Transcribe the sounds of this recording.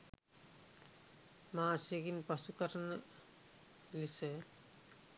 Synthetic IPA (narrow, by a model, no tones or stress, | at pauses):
maseɡinpʌsukʌɾən | lise